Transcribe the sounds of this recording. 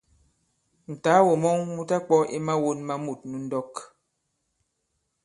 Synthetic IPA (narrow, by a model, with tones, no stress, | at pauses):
n̩˨ta˨˦wo˨mɔ˦ŋmu˦ta˦k͡pɔ˦e˦ma˦wo˦nma˦mu˨t̚nu˨n̩˦dɔ˦k